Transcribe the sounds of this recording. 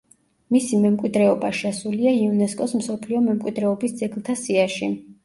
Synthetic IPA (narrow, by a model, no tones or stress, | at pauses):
misimɛmkʼwid̪ɾɛɔbaʃasuliaiunɛskʼɔsm̩sɔpʰliɔmɛmkʼwid̪ɾɛɔbisd̪zɛɡlˠt̪ʰasiaʃi